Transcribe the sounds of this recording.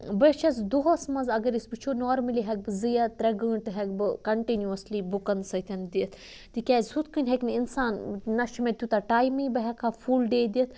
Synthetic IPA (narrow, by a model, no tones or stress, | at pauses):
bət͡ʃʰɐsd̪uɦosmɐzɐɡɐɾisbɨt͡ʃʰunoːɾmɐliɦɛk̚bɨzɨjɐt̪ɾɐɡə̃ːɳʈɨɦɛk̚bɨkɐɳʈinjuɐsliːbukɐnd̪sɐt̪ʰʲɐnd̪iət̪ʰ | t̪ikʲaːzʲsut̪kɨnʲɦekninsaːnnɐt͡ʃimet̪ʲut̪aʈaːjmibɐɦɛkʰafʰuːlɖeːd̪iət̪ʰ